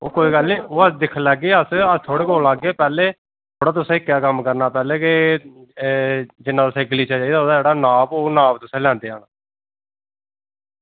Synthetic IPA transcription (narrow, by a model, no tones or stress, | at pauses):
oːkoːiːɡəlniːoːəsd̪ɪkʰlɛːɡeːəsət̪ʰoːɽeːkoːlaːɡːeːpɛːleː | t̪ʰoːɽaːt̪ʊsẽːɪkːjaːkəmkəɾnaːpɛːleːkɪ | d͡ʒɪnːãːt̪ʊsẽːɡəliːt͡ʃad͡ʒaːid̪aːoːd̪aːd͡ʒeːɽaːnãːboːnãːbt̪ʊsẽːlɛ̃ːnd̪eːa̰ːnaː